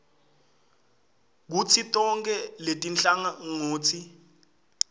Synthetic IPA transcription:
k̬ut͡sʰitʼɔŋkʼɛletʼint͡ɬaŋaŋoːt͡sʰi

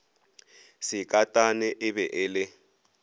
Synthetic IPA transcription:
sɪkʼatʼanɛʔɪbɛʔɪːlɪ

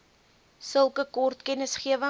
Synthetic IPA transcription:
səlˠkəkɔrtkɛnəsχiəvə

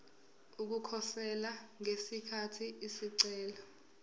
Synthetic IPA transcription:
uk̬ukʰɔsɛlaŋesikʰatʰiisiǀɛːlɔ

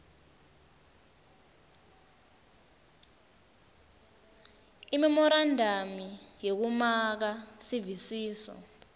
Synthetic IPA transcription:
imɛmɔɾandʱamijek̬umak̬asivisiːsɔ̰

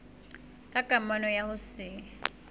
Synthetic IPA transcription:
kʼaɡ̥ʱʼamanɔjahʊsɪ

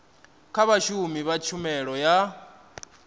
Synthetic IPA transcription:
kʰaβaʃumiβat͡ʃʰumɛɺɔja

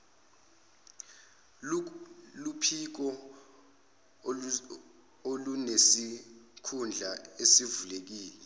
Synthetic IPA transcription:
lupʰik̬ɔ | olunesikʰund͡ɮʱaesivulek̬iːlɛ

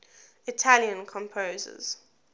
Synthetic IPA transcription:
ɪtʰaljə̃nkʰɔ̃mpʰozə̰z̥

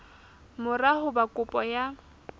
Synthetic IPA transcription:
mʊrahʊbakʼʊpʼɔja

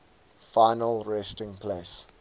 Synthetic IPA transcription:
faɪnəlɹɛstɪ̃ŋpʰleːs

